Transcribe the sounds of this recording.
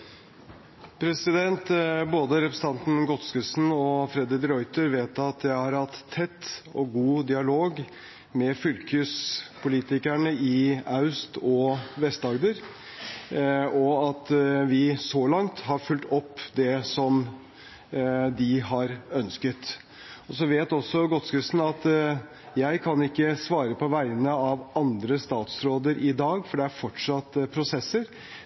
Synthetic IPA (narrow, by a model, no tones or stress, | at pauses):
pʰɾɛsɪd̪ɛnt̪boːd̪əɾɛpɾəsənt̪ɑnt̪n̩ɡɔt̪skəsn̩ɔfɾɛd̪ɪt̪ɾɔʏt̪əɾʋeːt̪ɑt̪jæɪhɑɾhɑt̪ʰːɛt̪ːɔɡuːd̪ɪɑloːɡ | mɛfʏlkʰʉːspʰʊliːt̪ɪkæɳəɪɑʉst̪ɔʋɛst̪ɑɡd̪əɾ | ɔɑt̪ʋɪsɔlɑŋt̪hɑɾfʉlt̪ɔpːd̪ɛsɔm | d̪ɪɦɑɾœnskət̪ | ɔsɔʋeːt̪ɔsːɔɡɔt̪skʉsn̩ɑt̪ | jæɪkʰɑnɪkːəsʋɑːɾəpʰɔʋæɪnəɑʋɑnd̪ɾəst̪ɑːt̪sɾoːd̪əɾʔɪd̪ɑːɡfɔɖɛæɾfɔʈʂɑt̪ːpʰɾʊsɛsːəɾ